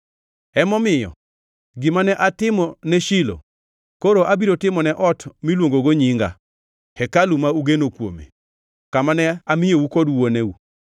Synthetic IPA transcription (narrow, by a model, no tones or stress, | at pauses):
ɛmɔmɪjɔ̰ | ɡɪmanɛʔatɪmɔnɛʃilo̰ | koɾoʔabiɾotɪmɔnɛʔɔtmilwoŋɡoɡoɲɪŋɡa̰ | hɛkalumauɡenokwo̰mḛ | kamanɛamɪjowukɔdwoneu